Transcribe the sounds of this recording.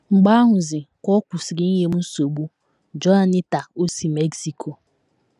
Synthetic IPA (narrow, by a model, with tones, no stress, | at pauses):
ŋ͡m̩˨ɡ͡ba˦a˦ɦʊ˨zɪ˨kɔ˦kʷu˨si˨ɡɪ˦ni˦ɦe˦m̩˦n̩˦so˨ɡ͡bu˦ | d͡ʒɔ˦a˨nɪ˦ta˨ko˦si˨me˦ksi˨kʰo˨